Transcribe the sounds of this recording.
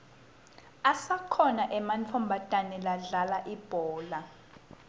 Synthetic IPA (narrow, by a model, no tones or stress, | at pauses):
asakʰɔnaʔɛmant͡fʰɔmbʱatʼanɛlaɮalaʔib̥ʱɔːla